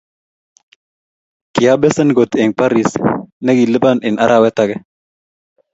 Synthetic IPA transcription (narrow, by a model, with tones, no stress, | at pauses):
ki˨ja˦bɛ˦sɐ˦nɡo˨t̪ɛ˨ŋpa˦ɾi˨snɐ˦ɡi˨lə˦ba˦ni˨na˦ɾʔa˨wɛ˦t̪a˨ɡɛ˦